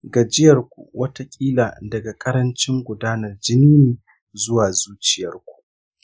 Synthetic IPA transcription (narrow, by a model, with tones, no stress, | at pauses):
ɡa˨d͡ʒɪ˦jɐ˨rkʷṵ˨wɐ˦ta˦kʲʼiː˦laː˨dɐ˨ɡa˨kʼɐ˦ɾɐ˦nt͡ʃɪ˦ŋɡʷʊ˨daː˦nɐ˨rd͡ʒɪ˦niː˦neː˨ | zʊ˦waː˨zuː˦t͡ʃɪ˨jɐ˨rkʷu̥˨ʔ